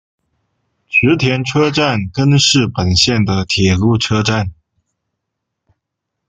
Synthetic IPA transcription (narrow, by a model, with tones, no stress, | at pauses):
ɕɻ̩˧˥t̪ʰjɛ˧˥nʈ͡ʂʰɤ˥ʈ͡ʂa˥˩nkə˥nʂɻ̩˥˩pə˨˩nɕjɛ˥˩nd̪ə˩t̪ʰjɛ˨˩lu˥˩ʈ͡ʂʰɤ˥ʈ͡ʂa˥˩n